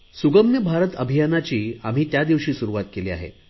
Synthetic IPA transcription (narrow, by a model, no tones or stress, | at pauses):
suɡəmjəbʱaɾət̪əbʱijanat͡ɕiːam̤iːt̪jad̪iʋɕiːsuɾuʋat̪̚keliːa̰ɦḛ